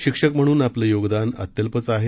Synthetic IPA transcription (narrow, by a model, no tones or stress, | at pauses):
ɕikʂəkm̤əɽ̃uːnapləjoɡd̪anə̰t̪jəlpət͡saɦe